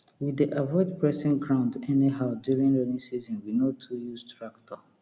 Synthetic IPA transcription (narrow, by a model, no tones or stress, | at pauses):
wiiʔavɔɪdpʰɹɛsɪ̃nɡɹãʊ̃ndɛniɦaʊdjuɹĩnlɛnĩsizɔ̃nwinotʰujustʰɹaktɔ